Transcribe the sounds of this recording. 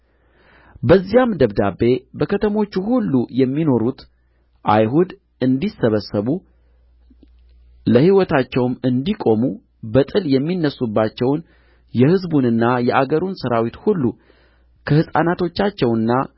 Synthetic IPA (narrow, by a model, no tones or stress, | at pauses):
bəzːijamd̪əβd̪abːe̞bəkʰət̪ʰəmo̞t͡ʃːuhulːujɛmːino̞ɾut̪ | ʔajɦud̪ | ɨnd̪isəβəsːəβu | ləhiwɔt̪ʰat͡ʃːɛwmɨnd̪ikʼo̞mu | bət̪ʼɨljɛmːinːəsːubːat͡ʃːɛwn | jɛhɨzbunɨnːajɛʔaɡəɾunsəɾawit̪hulːu | kʰəhɨsʼa̰nat̪ʰo̞t͡ʃːat͡ʃːɛwɨnːa